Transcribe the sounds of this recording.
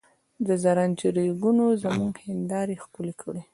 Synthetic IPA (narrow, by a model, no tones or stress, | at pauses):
d̪əzaɾand͡ʒəɾiɡunozamuŋɡhɪnd̪ɑɾexkʊlekʰəɽi